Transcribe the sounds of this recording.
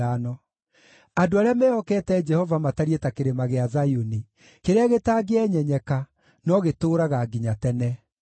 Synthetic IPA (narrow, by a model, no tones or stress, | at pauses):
anɔ | adoaɾeamɛɔkɛtɛd͡ʒɛhɔvamataɾietakeɾemaɣeazajoni | keɾeaɣetaɡeɛɲɛɲɛka | nɔɣetoːɾaɣaɡiɲatɛnɛ